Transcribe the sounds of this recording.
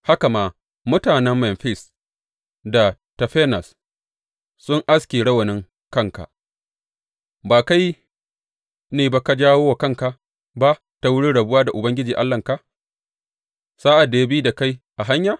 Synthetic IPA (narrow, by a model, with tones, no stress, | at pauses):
ha˦ka˨maː˨ | mʊ˦taː˨nɛ˦mːɛ˨nɸɪ˦˨s | da˨ | tɐ˨ɸɛː˦nɐ˨s | sʊ˦ŋʔa˦skʲeː˨ɽɐ˦wɐ˨nɪ˦ŋ | kɐ˦˨ŋka̰˨ | baː˨ka˦j | neː˨ba˦ka˨d͡ʒaː˦woː˦wa˨kɐ˦ŋka˨ | ba˦ | ta˦wʊ˦ɽi˦ɽɐ˨bʊ˦waː˦da˨ʔʊ˨bɐ˦ŋɡʲɪ˦d͡ʒiː˨ʔa˦lːɐ˨ŋka˦ | saː˦ʔa˨dːa˨ja˦biː˦da˨ka˦jʔa˨ɦa˦ɲjaː˨